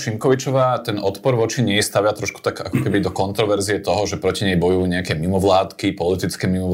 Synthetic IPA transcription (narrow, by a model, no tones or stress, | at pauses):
ʃiŋkɔʋit͡ʃɔʋaːt̪ɛnʔɔt̪pɔɾʋɔt͡ʃiɲɛjst̪aʋɪat̪ɾɔʃku̥t̪aka̰kɔkɛbid̪ɔkɔnt̪ɾɔʋɛɾziɛt̪ɔɦɔʒɛpɾɔciɲɛjbɔjuuːɲɛakɛmimɔʋlaːt̪kipɔlit̪it͡skɛmimɔ